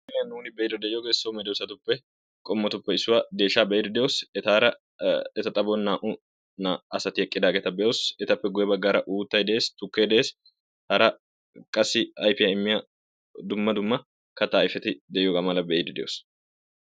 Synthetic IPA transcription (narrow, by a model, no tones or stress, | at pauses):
jɐnuːnɪbɛjd̪ʊd̪ɛʔjoɡesoːmɛd̪ɛwsɐt̪ʊpːɛ | kʼɔmːɔt̪ʊpːɛɪsːʊwad̪e̞ːʃaːbɛɛd̪ɛd̪ɛjosɛt̪aːɾɐ | ɛt̪ɐt̪ʼɐbonːaːʔʊ | naɐsɐt̪ɪhɛkʼːɪd̪aːɡɛt̪ɐbɛʔosɛt̪ɐpːɛɡʊjɛbɐɡːaːɾɐʔuːt̪ːɐjd̪ɛʔeːst̪ʊkːeːd̪ɛʔeːs | hɐɾɐ | kʼɐsːɪɐjpɪjɐɪmːɪjɐ | d̪ʊmːɐd̪ʊmːɐ | kɐt̪ːɐːjfɛt̪ɪd̪ɛʔjɔɡɐmɐlɐbɛɪd̪ʊd̪ɛjoːs